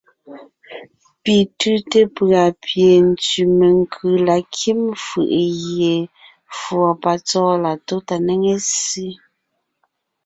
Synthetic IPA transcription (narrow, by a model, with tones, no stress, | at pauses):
pi˨tʉ˦te˦pɰa˨pje˨n̩˨t͡si˨me˨ŋ˦kʰɯ˨la˨kʰi˦mfɯ̰˨ʔɣje˨ | fwɔ˨pa˨t͡sɔː˦la˨to˦ta˨ne˦ŋe˦si˦